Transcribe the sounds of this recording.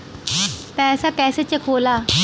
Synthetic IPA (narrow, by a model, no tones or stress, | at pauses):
pɛːsakɛːset͡ɕekʰoːla